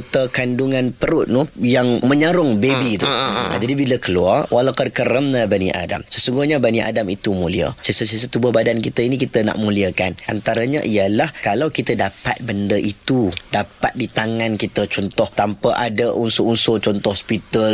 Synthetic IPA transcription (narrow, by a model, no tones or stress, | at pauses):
t̪əkanduŋãnpəɾʊt̪̚nuhjaŋməɲaɾʊŋbebit̪ua̰d͡ʒadibiləkəlua̰rwʔalawkərkəɾəmnəbanḭʔa̰da̰msəsuŋɡuhɲabaniʔa̰damit̪umuliə̰səsəsəsət̪ubʊhbadankit̪ainikit̪əna̰ʔmuliəkanʔa̰nt̪aɾaɲaʔiəlahkalawkit̪ədapa̰t̪̚bəndəʔit̪udapa̰t̪̚dit̪aŋãnkit̪ət͡ʃɔnt̪ɔht̪ampaʔadaʔunsʊʔunsot͡ʃɔnt̪ɔhspit̪əl